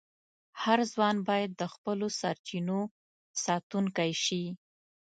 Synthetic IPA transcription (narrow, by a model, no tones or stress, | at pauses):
haɾzwɑnbɑjad̪ːəxpəlosaɾt͡ʃino | sɑt̪uŋkajʃi